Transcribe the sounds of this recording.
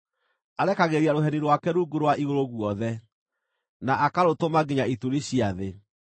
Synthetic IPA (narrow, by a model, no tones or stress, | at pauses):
aɾɛkaɣeɾiaɾoɦɛniɾwakɛɾuːɡoɾwaʔiɣoɾoɣwɔðɛ | naʔakaɾotomaɡeɲaituɾiɕiaðe